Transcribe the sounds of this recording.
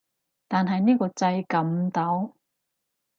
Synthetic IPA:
t̪aː˨nɦɐ˨jniː˥kɔː˧t͡sɐ˧jkɐ˨˧˥mt̪ɐ˨˥w

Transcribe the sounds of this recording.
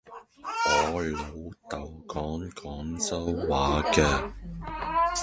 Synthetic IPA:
ŋɔː˨˧hɵ˨ɥho˨˧wt̪ɐ˨˩wkɔː˨˥ŋkʰɔː˨˥ŋsɐ˥wːaː˨˥kɛː˧

